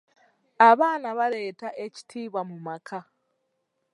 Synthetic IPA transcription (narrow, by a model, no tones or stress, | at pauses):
aβaːnaβaɾe̞ːtaʔe̞ci̥tʰiːβamumakʰa